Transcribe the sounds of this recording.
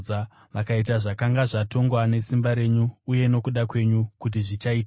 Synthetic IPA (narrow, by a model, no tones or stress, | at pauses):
a | ʋakait̬aʐakaŋɡaʐato̞ŋɡwane̞simbaɾe̞ɲuːje̞no̞kuɗakwe̞ɲukut̬iʐit͡ʃait